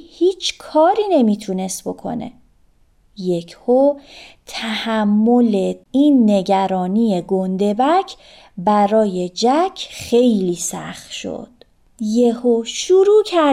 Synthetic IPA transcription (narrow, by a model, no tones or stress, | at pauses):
hiːt͡ʃʰkʰɒːɾiːne̞miːt̪ʰune̞st̪̚bo̞kʰo̞̰nḛ | je̞cʰhot̪ʰæhæmːo̞leiːnːe̞ɟæɾɒːniːjeɡond̪e̞bæcʰ | bæɾɒːje̞d͡ʒæcʰχxe̞jliːsæ̰xt̪ʃo̰d̪̥ | jehoʃuɾuːcʰæ